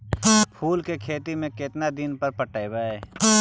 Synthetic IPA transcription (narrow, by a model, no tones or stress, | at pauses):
pʰuːlkekʰeːt̪imẽket̪nad̪ɪnpəɾpəʈaːebaːeː